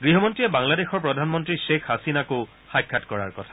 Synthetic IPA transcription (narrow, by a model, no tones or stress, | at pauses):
ɡɹiɦɔmɔntɹijɛbaŋladexɔɹpɹɔdʱanmɔntɹiʃekʰhasinako | xajkʰːatkɔɹa̰ɹkɔtʰḁ